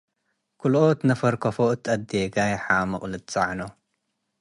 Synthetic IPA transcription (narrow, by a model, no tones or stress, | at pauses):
kʰulʔot̪nɐfɐɾkʰɐfoʔɨt̪ʼːɐd̪eɡajħamɨχʼlɨt̪t͡sʼaʕno